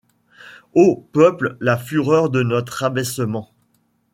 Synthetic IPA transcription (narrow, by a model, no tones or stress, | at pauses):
opœpllafyʁœʁd̪ənɔt̪χabɛsəmɑ̃